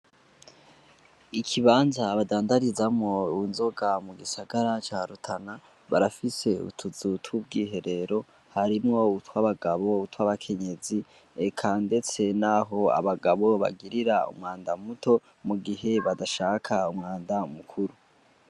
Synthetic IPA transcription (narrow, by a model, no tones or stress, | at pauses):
ikʰiβaːnzaβadaːndaɾizamŋo̞unzo̞ɡamuɡisaɡaɾat͡ʃaɾutʰana | βa̰ɾafise̞ṵtʰuzutʰubɡiːɦe̞ɾe̞ɾo̞ | haɾimŋo̞utwaβaɡaβo̞utwaβakʰe̞ɲe̞zi | ekʰaːnde̞t͡se̞naɦo̞a̰βaɡaβo̞βa̰ɡiɾiɾaṵmŋaːndamutʰo̞ | muɡiɦe̞βadaʃaːkʰaumŋaːndamukʰuɾu